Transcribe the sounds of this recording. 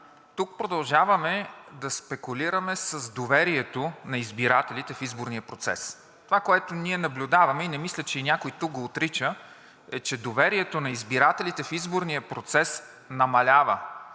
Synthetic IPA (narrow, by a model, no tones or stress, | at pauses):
t̪uk̚pɾod̪ɐlˠʒavɐmɛd̪ɐspɛkʊliɾəmɛsəzd̪ovɛɾiɛt̪onɐizbiɾat̪ɛlit̪ɛfizboɾnijəpɾot̪sɛ̰s | t̪ovakoɛt̪ʊniɛnɐblʲʊd̪avɐmɛinɛmislʲət͡ʃɛinʲakojt̪uk̚ɡoːt̪ɾit͡ʃə | ɛt͡ʃɛd̪ovɛɾiɛt̪onɐizbiɾat̪ɛlit̪ɛfizboɾnijəpɾot̪sɛs | nɐmɐlʲavə